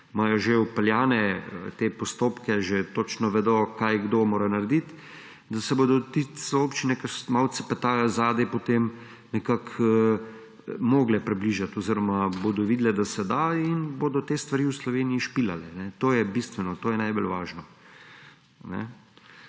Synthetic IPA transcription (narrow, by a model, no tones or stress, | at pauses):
majɔʒewpɛljaːnɛə̰t̪epɔst̪oːpkɛʒet̪oːt͡ʃnɔʋɛd̪okajɡd̪oːmoːɾanaɾd̪it̪ | d̪asɛboːd̪ɔt̪it̪sopt͡ʃinɛkasmaw̪t͡s̪ɛ̥pɛt̪aːjɔzaːd̪ɛpɔt̪em | nɛkakə | moːɡlɛpɾɛbliʒat̪ɔziɾɔmabod̪ɔʋiːd̪lɛd̪asɛd̪ainbod̪ɔt̪eːst̪ʋaɾiwslɔʋeːnijiʃpila̰lɛnɛt̪oːjɛbist̪ʋɛnɔt̪oːjɛnajbolʋaːʒnɔ | nɛ̰